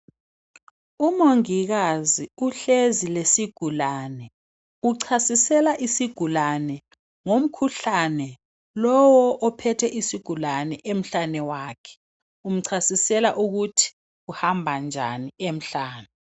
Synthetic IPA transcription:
umoŋiɣaziuɬezilesiɡ̥ʱulaːnɛ | uǀʰasisɛlaʔisiɡ̥ʱulanɛ | ŋom̩kʰuɬanɛ | lɔwɔʔɔpʰɛtʰɛʔisiɡ̥ʱulanɛʔem̩ɬanɛwaːkʰɛ̥ | um̩ǀʰasisɛlaʔuɣutʰi̥ | uhambʱand͡ʒʱa̰niem̩ɬaːnɛ

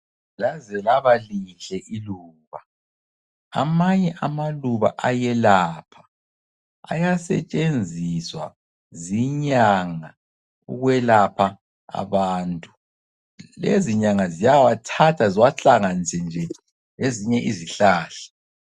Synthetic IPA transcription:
lazɛlaβaliɬɛʔiluːβa | a̰maɲɛʔamaluβa̰ʔajɛlaːpʰḁ | a̰jasɛ̰t͡ʃʼend͡zʱiswa̰ | ziɲaŋa | ṵɣwɛlapʰa | a̰βaːntʼu̥ | lḛziɲaŋazijawatʰatʰaziwaɬaŋant͡sʰʼɛnd͡ʒʱɛ | leziɲɛʔiziɬaːɬɛ̥

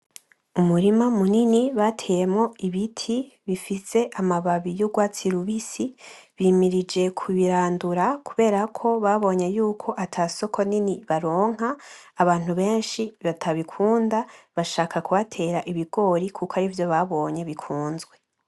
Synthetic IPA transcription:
umuɾimamuniniβatʰejemŋo̞iβitʰi | βifise̞ʔamaβaβijuɡwaːt͡siɾuβisiβiːmiɾid͡ʒe̞kʰuβiɾaːnduɾakʰuβe̞ːɾakʰo̞βaβo̞ːɲe̞juːkʰo̞ʔatʰaso̞kʰo̞niniβaɾo̞ːŋ̥ɦaːβaːn̥huβe̞ːnʃiβatʰaβikʰuːndaβaʃaːkʰakuβatʰe̞ːɾaʔiβiɡ̥o̞ːɾikʰukoaɾivjo̞βaβo̞ːɲe̞βikʰuːnzɡwe̞

